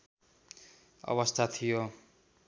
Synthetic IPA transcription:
ʌ̰bʌst̪ʰat̪ʰijo

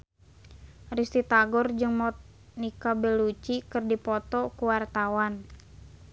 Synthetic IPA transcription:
rist̪it̪aɡɔrd͡ʒɨŋmɔt̪̚ | nikabɛlut͡ʃikɨrdipɔt̪ɔkuwart̪awan

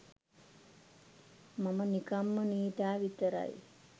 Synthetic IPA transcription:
mɐmɐnikɐmːɐniːʈ̪aːʋit̪ɐɾa̰j

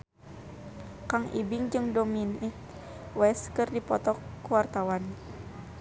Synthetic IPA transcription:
kaŋḭbiŋd͡ʒɨŋdominik | wɛskɨrdipɔt̪ɔkːuwart̪awan

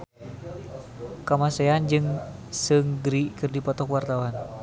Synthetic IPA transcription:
kamasɛand͡ʒɨŋsɨŋɡɾikɨrdipɔt̪ɔkwart̪awan

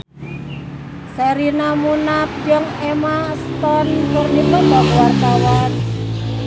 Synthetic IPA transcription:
sɛɾinamunap̚d͡ʒɔŋemast̪ɔnpʊrnipəmbɔkwart̪awan

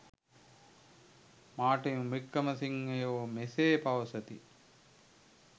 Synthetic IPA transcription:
maːʈejmikːɐmɐsiŋːejoʋmeseːpaʋɐsɐt̪ḭ

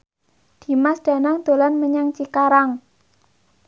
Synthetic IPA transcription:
d̪̥i̤masɖ̪̥a̤naŋd̪̥o̤lanməɲaŋt͡ʃikaɾaŋ

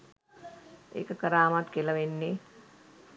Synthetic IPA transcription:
ḛːkəkəɾaːmat̪keləʋenːe

